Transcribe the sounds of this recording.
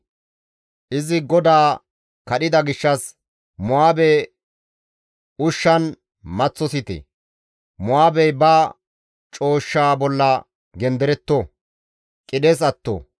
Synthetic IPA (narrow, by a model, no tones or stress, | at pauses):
ʔɪzɪɡɔd̪aː | kɐɗɪd̪ɐɡɪʃːɐs | mʊwaːbɛ | ʊʃːɐn | mɐt͡sːɔsɪt̪ɛ̰ | mʊwaːbɛjbaː | t͡ʃʼo̞ːʃːaːbɔlːɐ | ɡɛnd̪ɛɾɛt̪ːo | kʼɪɗeːs̬ɐt̪ːo̰